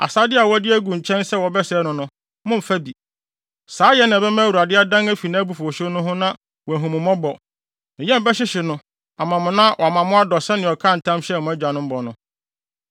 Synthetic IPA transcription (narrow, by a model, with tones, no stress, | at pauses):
a̰˨saː˦dɪ˦a˨wɔ˦dɪ˦æ˦ɡũ˨ɲ̩˨t͡ɕʰɛ̃˦nsɛ˦˨wɔ˨bɛ˦sɛ˨˦nʊ̃˨nʊ̃˦ | mʊ̃˦m̩˨fæ˦bi˨ | saː˨˦jɛ˦nã˨bɛ˦mã˦wu˨a˨dɪ˦a˦dã˦ŋæ˦fi˨nã˦bu˨fu˨ɔ˨ɕɪ˦nʊ̃˦ɦʊ̃˦nã˦ | wɔ˨æ˨ɦũ˨mʊ̃˨mɔ̃˦bɔ˨ | nɪ̃˨jɛ̃˦m˨bɛ˦ɕɪ˦ɕɪ˨nʊ̃˦ | a˨mã˨mʊ̃˨nã˦wʔmã˨mʊ̃˦a˦dɔ˨sɛ˦nɪ̃˨ɔ˨kʰã˦˨n̩˨tʰã˦mɕɛ˦˨mʊ̃˦æ˦d͡ʑᶣa˨nʊ̃˦m̩˦bɔ˨nʊ̃˦